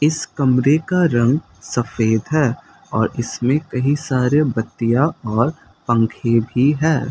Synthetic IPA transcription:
ɪskɐmɾekaɾɐ̃ŋɡ | sɐfeːd̪ɦɛː | ɔːɾɪsmẽkɐɦisaːɾebɐt̪ːijaɔːɾ | pɐ̃ŋkʰebʱiɦɛː

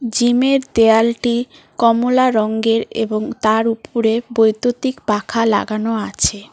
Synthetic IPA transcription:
d͡ʑimeɾd̪ealʈi | kɔmolaɾɔŋɡeɾḛboŋt̪aɾupʰuɾebojt̪ot̪ikbakʰala̰ɡanoat͡ɕʰe

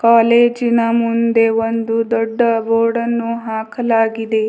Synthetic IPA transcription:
kaːleːd͡ʒinɐmund̪e̞ʋond̪ud̪ɔɖːɐboːɽɐnːuɦaːkɐlaːɡid̪e̞

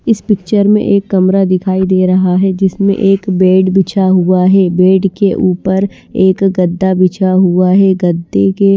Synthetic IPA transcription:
ɪspɪkt͡ʃəɾmḛ̃ʔeːkːɐmɾad̪ɪkʰaːid̪eːɾɐɦaɦɛd͡ʒɪsmḛ̃ʔeːkbeːɖbɪt͡ʃʰaɦuaɦɛbeːɖkeʔuːpəɾ | eːkɡɐd̪ːabɪt͡ʃʰaɦuaɦɛɡɐd̪ːeke

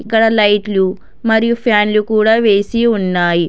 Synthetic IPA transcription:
ikːɐɽɐlɐjʈlu | mɐɾijupʰaːnlukuːɽaːʋe̞ːsiunːaːji

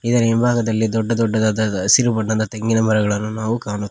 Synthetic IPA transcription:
id̪ɐɾimbʱaːɡɐd̪ɐlːid̪ɔɖːɐd̪ɔɖːɐd̪aːd̪ɐsiɾubɐɳːɐnd̪ɐt̪ɐŋɡinɐmɐɾɐɡɐɭɐnːunaːʋukaːnut̪ːi

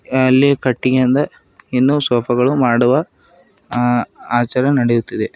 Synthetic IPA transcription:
ɐlːikɐʈːiɡeɐnd̪ɐ | inːuːsoːpʰɐɡɐɭumaːɽuʋɐ | aːt͡ʃaːɾɐnɐɽejut̪ːid̪e

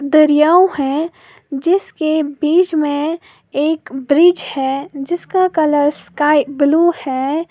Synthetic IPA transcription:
d̪əɾijaːwhɛ̃ | d͡ʒɪskebiːd͡ʒmẽ | eːkbɾid͡ʒhɛd͡ʒɪskakələɾskaːɪbluhɛ

